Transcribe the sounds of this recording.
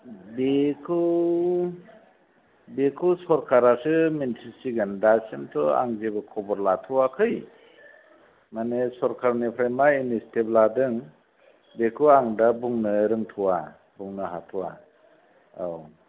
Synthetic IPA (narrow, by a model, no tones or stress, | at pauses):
bekʰɯ | bekʰusɔɾkʰaɾasɯmintʰisiɡandasentʰɔa̰ŋzebɯkʰɔbɔɾlatʰuwakʰɯj | manesɔɾkʰaɾnipʰɾamainistʰebladɯŋ | bekʰɯaŋdabuŋnɯɾɯŋtʰuwa | buŋnɯɦatʰuwa̰ | aw